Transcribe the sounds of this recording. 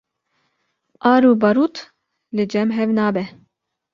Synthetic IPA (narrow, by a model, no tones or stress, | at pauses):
ʔɑːɾuːbɐɾuːt̪ | lɨd͡ʒɛmɦɛvnaːbɛ